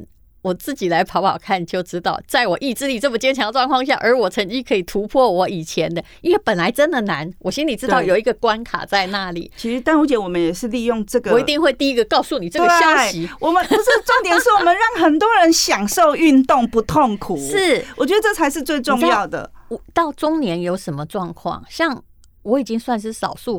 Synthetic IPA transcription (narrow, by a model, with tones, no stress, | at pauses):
wɔ˨˩t͡sɹ̩˥˩t͡ɕi˨˩la˧˦ɪpʰɑ˧˥ʊpʰɑ˨˩ʊkʰa˥˩nt͡ɕjo˥˩ʊʈ͡ʂɻ̩˥t̪ɑ˥˩ʊt͡sa˥˩ɪwɔ˨˩ʔi˥˧ʈ͡ʂɻ̩˥˧li˨˩t͡sə˥˩mə˨˩t͡ɕjɛ˥nt͡ɕʰjɑ˧˥ŋə˧ʈ͡ʂwɑ˥˧ŋkʰwɑ˥˧ŋɕja˥˩ʔə˞˧˥wɔ˨˩t͡sʰə˧˥ŋt͡ɕi˥ŋkʰɤ˧˥i˨˩t̪ʰu˧˥pʰwɔ˥˩wɔ˧˥i˨˩t͡ɕʰjɛ˧˥nd̪ə˧i˥nwɛ˥˩pə˨˩nla˧˥ɪʈ͡ʂə˥nd̪ə˨na˧˦nwɔ˨˩ɕi˥nli˨˩ʈ͡ʂɻ̩˥t̪ɑ˥˩ʊjo˨˩ʊi˧˥ɡə˧kwa˦nkʰa̰˨˩t͡sa˥˧ɪna˥˩lḭ˨˩˦t͡ɕʰi˧˥ʂɻ̩˧˥t̪a˥˩nu˧˥t͡ɕjɛ˧˥nwɔ˨˩mə˨˦njɛ˨˩ʂɻ̩˥˧li˥˧jo˥˧ŋʈ͡ʂɤ˥˩ɡəwi˧t̪i˥˧ŋxwe˥˧ɪt̪i˥˧i˦˥ɡə˨kɑ˥˧ʊsu˥˩ni˨˩ɤ˥˧ɡeɕjɑ˥ʊɕi˧˥wɔ˨˩mə˦n˧ʂ̩˥˩ʈ͡ʂo˥ŋt̪jɛ˨˩nʂɻ̩˥˩wɔ˨mə˦nɻɑ˥˩ŋxə˨˩nt̪wɔ˦˥ɻə˧˦nɕjɑ˨˩ŋʂo˥˧ʊy˥˧nt̪ʊ˥˩ŋpu˧˦˥t̪ʰo˥˩ŋkʰu˨˦ʂɻ̩˥˩wwɔ˨˩t͡ɕɥɛ˧d̪ə˧t͡sʈ͡ʂɤ˥˩t͡sʰa˧˥ɪʂɻ̩˥˧t͡swe˥˧ɪʈ͡ʂʊ˥˧ŋjɑ˥˨ʊd̪ə̰˩wɔ˨˩t̪ɑ˥˩ʊʈ͡ʂʊ˥ŋnjɛ˧˥njo˧˥ʊʂə˧˥nmə˨ʈ͡ʂwɑ˥˧ŋkʰwɑ̰˥˩ŋɕjɑ˥˩ŋ | wɔ˧˥i˨˩t͡ɕi˦˥ŋswa˥˧nʂ̬ɻ̩˥˩sɑ̰˨˩ʊsu˥˩